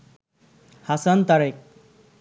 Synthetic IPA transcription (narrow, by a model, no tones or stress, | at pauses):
hasant̪aɾek̚